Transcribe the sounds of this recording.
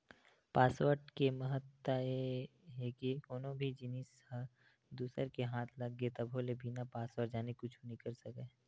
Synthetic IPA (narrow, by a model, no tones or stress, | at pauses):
paːswəɾʈkeməɦət̪ːaeɦeːkiʊnõbʱid͡ʒɪnishə | d̪uːsəɾkeɦaːt̪ʰlɐɡːet̪ɐbʱolebʱiːnapaːsʋəʈd͡ʒaːnikʊt͡ʃʰonikɐɾsɐke